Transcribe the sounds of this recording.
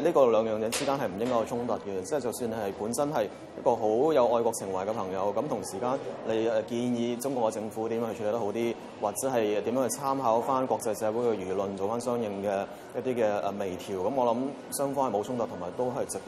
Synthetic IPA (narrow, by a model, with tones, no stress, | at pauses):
liː˥kɔː˧lœː˨˧ŋjœː˨ŋjɛ˨˧˥t͡siː˥kaː˥nhɐ˨jm̩˨˩jɪ˥ŋkɔ˥jt͡ʃʰʊ˥ŋt̪ɐ˨t̚kɛ˧t͡sɛ˥˨˩t͡sɐ˨wsyː˧nɐ˨jpuː˨˥nsɐ˥nɦɐ˨j | jɐ̰˥t̚kɔː˧ɦo˨˥wjɐ˨˧wʔɔː˧jkɔː˧k̚sʰɪ˨˩ŋwɐ˨˩jkɛː˧pʰɐ˨˩ŋjɐ˨˧wkɐ˨˥mt̪ʰʊ˨˩ŋsiː˨˩kaː˥nle˨˧jɛ˨˧kiː˧njiː˧t͡sʊ˥ŋkʷɔː˧kːɛ˧t͡sɪ˧ŋfuː˨˥t̪i˨˦mjːht͡ʃʰy˧lːt̪ho˨˥wt̪iː˥ | waː˨t̚t͡sɛː˨˥ɦɐ˨jt̪i˨˥mjœː˧˥hɵ˧t͡sʰaː˥mɦaː˨˥wfaː˥nkʷwʷɔː˧k̚t͡sɐ˧jsɛː˨˧wu˨˥hɵ˧ɥɥyː˨˩lɵ˨nt͡so˨wfaː˥nsœː˥ŋjɪ˧ŋkɛː˧ | jɐt̚t̪iː˥kɛː˧ʔɛː˨me˨˩jt̪ʰiː˨˩wkɐ˨˥mɔː˨˧lɐ˨˥m | sœː˥ŋfɔː˧˥hɐ˨˩jmo˨˧wʰʊ˥ŋt̪ɐ˨t̪ʰʊ˨˩maː˨˩jt̪o˥wɦɐ˨jt͡sɪ˨k̚